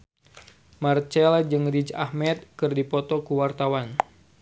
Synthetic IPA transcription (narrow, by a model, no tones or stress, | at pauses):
mart͡ʃɛlad͡ʒɨŋrid͡ʒa̰hmɛt̪̚kɨrdipɔt̪ɔkuwart̪awan